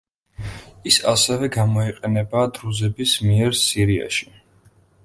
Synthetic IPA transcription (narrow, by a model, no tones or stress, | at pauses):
isasɛvɛɡamɔiqʼɛnɛbaːd̪ɾuzɛbismiɛɾsiɾia̰ʃi̥